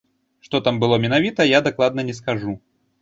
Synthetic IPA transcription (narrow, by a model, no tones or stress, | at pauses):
ʂt̪ɔt̪ambɨlˠɔmʲɛnavʲit̪ɐjad̪aklˠad̪nɐnʲɛskaʐu